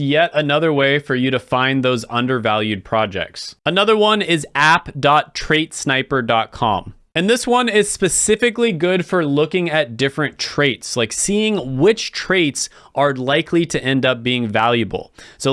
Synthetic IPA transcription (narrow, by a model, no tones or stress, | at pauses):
jɛɾɨnʌðə˞weɪfə˞jɨɾɨfãɪ̃nðoʊzʌ̰̃ndə˞vælˠjʉd̚pʰɹ̥ɑd͡ʒɛ̰k̚tsənʌðə˞wʌ̃nɪzæpd̥ɑtʰɹ̥eɪtsnaɪpə˞dɑt̚kʰɑ̰̃m | ɨ̃nðɪswʌ̃nɪz̥spɨsɪfɨkliɡʊd̥fə˞lʊkɪ̃ŋɨt̚d̥ɪfɹɨ̃ntʰɹ̥eɪtslaɪksiɪ̃ŋwɪt͡ʃtʰɹ̥eɪts | ʔə˞laɪkʰliɾɨʔɛ̃ndʌp̚b̥iɪ̃ŋvælˠjɨbl̩ˠsoʊ